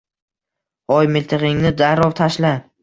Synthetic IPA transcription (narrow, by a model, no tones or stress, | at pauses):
ɒjmɪlt̪ʰɨqɪŋnɪd̪aɾɒwt̪ʰaʃla